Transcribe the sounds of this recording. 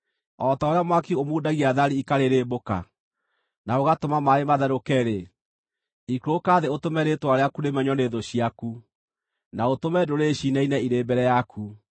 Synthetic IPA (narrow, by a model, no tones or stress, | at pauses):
ɔtaoɾejamwakiomuːdaɣiaðaɾiikaɾeɾeboka̰ | naoɣatomamaɾemaðaɾokɛɾe | ikuɾokaðeotomɛɾetwaɾeakuɾemɛɲɔneðoɕiaku | naotomɛdoɾeɕinɛinɛiɾebɛɾɛjakʰu